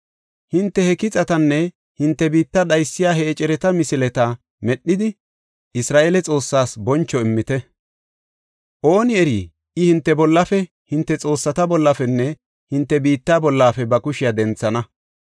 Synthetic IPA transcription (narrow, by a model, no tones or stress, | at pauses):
hɪnt̪ːɛhɛkɪt͡sʼɐt̪ɐnːɛ | hɪnt̪ːɛbiːt̪ːɐɗɐjsːɪjaːhɛːt͡ʃʼɛɾɛt̪ɐmɪsɪlɛt̪ɐ | mɛɗːɪd̪ɪ | ʔɪsɾaːʔelɛt͡sʼo̞ːsːaːsbɔnt͡ʃːɔɪmːɪt̪ɛ | ʔo̞ːnɪɛɾiː | ʔɪhɪnt̪ːɛbɔlːɐfɛ | hɪnt̪ːɛt͡sʼo̞ːsːɐt̪ɐbɔlːɐfɛnːɛ | hɪnt̪ːɛbiːt̪ːaːbɔlːaːfɛbɐkʊʃɪjad̪ɛnt͡sːɐnɐ